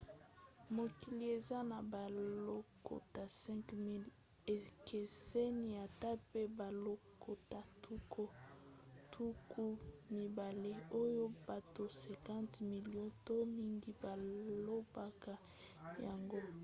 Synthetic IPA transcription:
mo˨ki˨li˨e˨za˦na˨ba˨lo˦ko̰˨ta˨sɛ̃˦ŋkmi˦l | e˨ke˨se˦ni˨a˨ta˦pe˦ba˨lo˦ko˨ta˨tʰu˦ko˦ | tʰu˦kʰu˦mi˨ba˨le˦o˦jo˦ba˨to˨sɛ˨kã˦ntmi˨ljɔ̃˦to˦mi˦ŋɡi˦ba˨lo˦ba˨ka˦ | ja˨ŋɡo˦

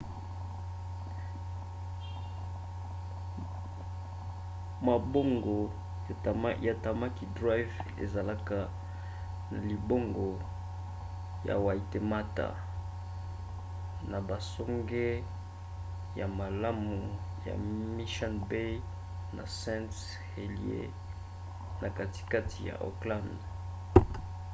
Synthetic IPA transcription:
ma˨bo˦ŋɡo˨ | ja˨ta˨ma˦ki˨da˦jvḛ˨za˨la˦ka˨ | na˨li˨bo˦ŋɡo˨ | ja̰˨wa˨i˨te˨ma˦ta̰˨ | na˨ba˨so˦ŋɡe˦ | ja˨ma˨la˦mu˨ja̰˨mi˦ʃa˦nbe˦ | na̰˨sɛ̃˦nt | he˨li˦ḛ˦ | na˨ka˨ti̥˦ka˦ti˨ja̰˨ʔo̰˨klã˦nd

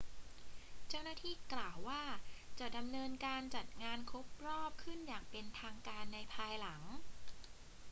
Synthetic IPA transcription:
t͡ɕa˥˩wnaː˥˩t̪ʰiː˥˩klaː˨˩wːaː˥˩t͡ɕa˨˩da˧mnɤː˧nkaː˧nt͡ɕa˨˩t̪̚ŋaː˧nkʰo˦˥p̚ɾɔː˥˩p̚kʰɯ˥˩njaː˨˩k̚pe˧nt̪ʰaː˧ŋkaː˧nːa˧jpʰaː˧jla˩˦ŋ

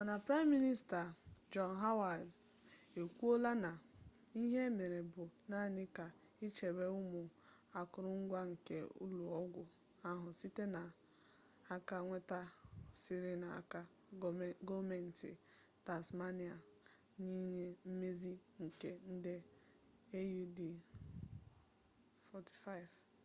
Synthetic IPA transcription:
a˨na˨pɾa˦mːi˦ni˦sta˨d͡ʒɔ˦nɦa˦wa˨d | e˨kʷu˦o˦la˦na˨ | i˦ɦe˦me˨ɾe˨bʊ˨na˦˨nɪ˦ka˨ | i˦t͡ʃe˨be˦ʊ˦mʊ˨ | a˨kʊ˨ɾʊ˦ŋ̩˦ɡʷa˦ŋ̩˨kḛ˦ṵ˦lu˨ɔ˦ɡʷʊ˦ | a˦ɦʊ˨si˦te˦na˨ | a˦ka˦ŋʷe˦ta˦sɪ˦ɾɪ˦na˨a̰˨ka˦ | ɡo˦me˨n̩˨tɪ̰˨ | ta˨sma˦ni˨a˨ | ni˦ɲe˦m̩˦me˦zi˦ŋ̩˨ke˨n̩˦dɪ˦ | e˦ju˦di˨ | fɔ˦ti̥˨fa˦ɪ˨v

